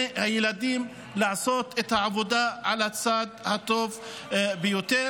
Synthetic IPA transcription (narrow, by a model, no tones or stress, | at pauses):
hajɪlad̪iːm | laʕsoːt̪ʔɪt̪ʕawʊd̪aʕalasaːd̪hat̪ːoːf | bɪjʊt̪eː